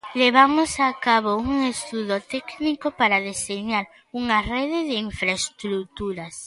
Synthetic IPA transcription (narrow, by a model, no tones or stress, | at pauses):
leβ̞amosakaβ̞ouŋest̪uðot̪ɛknikopaɾaðeseɲaɾ | uŋareðɪðɪiɱfɾaest̪ɾut̪uɾas